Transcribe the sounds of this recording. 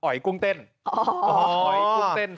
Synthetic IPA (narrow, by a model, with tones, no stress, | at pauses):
ɔ˨˩˦jku˧əŋt̪e˧n˨ | ɔɔ˨˩˦jkŋt̪e˧n